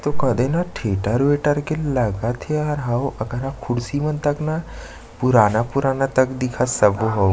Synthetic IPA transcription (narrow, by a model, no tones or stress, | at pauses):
t̪okəd̪enaʈʰeʈaɾʋeʈaɾkellaɡat̪ʰeaɾɦawʔəkəɾakʰuɽsimənt̪akna | puɾanapuɾanat̪əkd̪ikʰasəboɦaw